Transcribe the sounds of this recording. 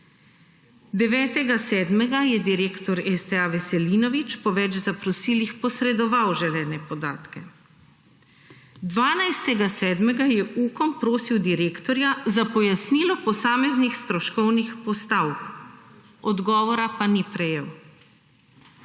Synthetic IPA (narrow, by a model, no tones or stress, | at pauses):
d̪ɛʋɛːt̪ɛɡasɛːd̪mɛɡajɛd̪iɾeːkt̪ɔɾɛst̪ɛaʋɛsɛliːnɔʋit͡ʃpɔʋɛt͡ʃzapɾɔsiːlixpɔsɾɛd̪ɔʋawʒɛlɛːnɛpɔd̪aːt̪kɛ | d̪ʋaːnajst̪ɛɡasɛːd̪mɛɡajɛʔuːkɔmpɾoːsiwd̪iɾeːkt̪ɔɾjazapɔjasniːlɔpɔsaːmɛznixst̪ɾɔʃkɔwnixpɔst̪awk | ɔd̪ɡɔːʋɔɾapanipɾɛjew